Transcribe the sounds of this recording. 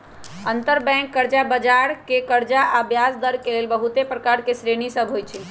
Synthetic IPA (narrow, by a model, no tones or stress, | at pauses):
ənt̪əɾbɛ̃ŋkːəɾd͡ʒabəd͡ʒaɾkekəɾd͡ʒaʔabjasd̪əɾkelelbəɦut̪epɾəkaɾkesɾenisəbʱɦojt͡ʃʰi